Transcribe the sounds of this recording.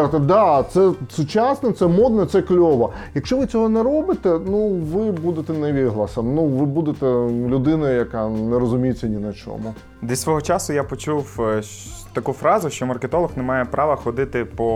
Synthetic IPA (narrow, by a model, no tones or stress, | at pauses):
ɾt̪ɐd̪ɑt̪sɛsʊt͡ʃɑsnɐt̪sɛmɔd̪nɐt̪sɛklʲɔʋɐjɐkʃt͡ʃɔʋɪt͡sʲɔɦɔnɛɾɔbɪt̪ɛnuʋɪbud̪et̪ɛnɐʋʲid̪ɦlˠɐsɐmnuʋɪbud̪et̪ɛlʲʊd̪ɪnɐjɐkɑnɛɾɔzʊmʲijɪt͡sʲːɐnʲinɐt͡ʃɔ̰mʊ | d̪isʲʋɔɦɔt͡ʃɑsʊjapɔt͡ʃuw | t̪ɐkufɾɑzʊʃt͡ʃɔmɐrket̪ɔlˠɐxnemɑjɛpɾɑʋɐxɔd̪ɪt̪ɪpɔ